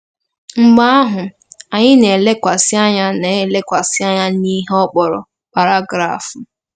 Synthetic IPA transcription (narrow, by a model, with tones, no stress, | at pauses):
ŋ͡m̩˦ɡ͡ba˦a˦ɦʊ˨ | a˨ɲɪ˦ne˨le˦kʷa˨sɪ˦a˦ɲa˦ne˨le˦kʷa˨sɪ˦a˦ɲa˦ni˦ɦɔ˦k͡pɔ˨ɾɔ̰˨ | pa˨ɾa˦ɡɾa̰˨fʊ˨